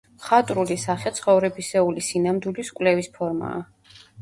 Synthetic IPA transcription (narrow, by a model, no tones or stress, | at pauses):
χat̪ʼɾulisaχɛt̪sʰχɔvɾɛbisɛulisinamd̪iliskʼwlɛvispʰɔɾma̰ː